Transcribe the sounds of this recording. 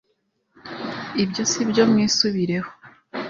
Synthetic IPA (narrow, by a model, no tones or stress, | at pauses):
ibɟjo̞sibɟo̞mŋiːsuβiɾe̞ho